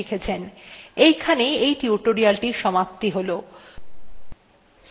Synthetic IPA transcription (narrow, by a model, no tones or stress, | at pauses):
ekʰet͡ɕʰenejkʰaneejʈiuʈoɾialʈiʃɔmap̚t̪iɦolo